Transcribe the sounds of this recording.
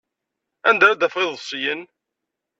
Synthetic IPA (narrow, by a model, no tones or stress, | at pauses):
ænd̪æɾad̪æfʁɪðˤsˤjən